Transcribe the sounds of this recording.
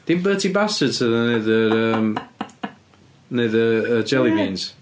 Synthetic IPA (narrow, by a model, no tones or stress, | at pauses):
d̥inbəːtʰibastədtʰəðəneðəɾəːm | neɨðəəd͡ʒɛlˠibiːnz̥